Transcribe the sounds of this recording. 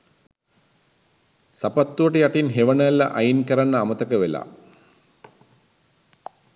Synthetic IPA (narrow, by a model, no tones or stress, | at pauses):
sapat̪ːuʋəʈəjaʈinɦeʋɐɳɐlɐʔajinkɐɾanːəamɐt̪ɐkəʋela̰ː